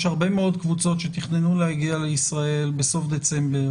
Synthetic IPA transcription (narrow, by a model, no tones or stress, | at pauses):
ʃhaʁbe̞meo̞d̪kvut͡so̞tʃet̪iχnenulehaɡialeisʁae̞lbeso̞fd̪e̞t͡se̞mbe